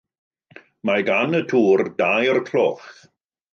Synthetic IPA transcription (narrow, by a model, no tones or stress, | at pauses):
maɡanətʰuːrdajrkʰl̥oːχ